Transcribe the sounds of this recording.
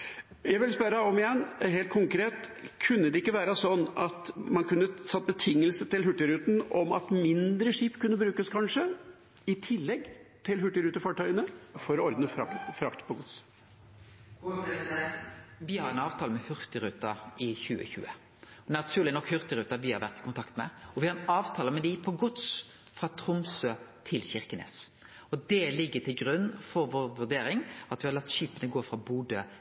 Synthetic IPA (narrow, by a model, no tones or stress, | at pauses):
jæɪʋɪlspœɾɑɔmɪjɛnːɦeːlt̪̚kʰʊŋkɾeːt̪kʰʉnːəd̪ɛɪkːəʋæːɾəsɔnːɑt̪mɑnkʉnːəsɑt̪̚ːbət̪ʰɪŋːəlsət̪ɪlɦʉʈːɪɾʉːt̪n̩ɔmɑ̰t̪mɪnd̪ɾəʂiːpkʉnːəbɾʉːkəskʰɑnʂə | ɪt̪ʰɪlːɛɡt̪ʰɪlɦʉʈːɪɾʉːt̪əfɑːʈœʏənəfɔɾɔɾd̪nəfɾɑk̪fɾɑkt̪pʰɔɡʊt̪s | ʋɪhɑɾɛnɑːʋt̪ʰɑːləmɛhʉʁt̪ɪɾʉːt̪ɑʔɪçʉːə̰çʉ̰ːə̰ | ɔnɑt̪ʰʉːɾlɪnɔkːhʉɾt̪ɪɾʉːt̪ɑʋɪhɑɾʋæɾt̪ɪ̥kʊnt̪ʰɑkt̪mɛ̰ɔʋɪhɑɾɛnɑːʋt̪ʰɑːləmɛnd̪ɛpʰɔɡʊt̪s | fʁɑːt̪ʰɾʊmsøːt̪ʰɪlçɪɾkənḛːs | ɔd̪ɛlɪɡːət̪ɪlɡɾʉnːfɔɾʋoːʁʋʉʁd̪eːɾɪŋɑt̪ʋɪhɑɾlɑt̪ːʃiːpənəɡoːfɾɑbuːd̪ə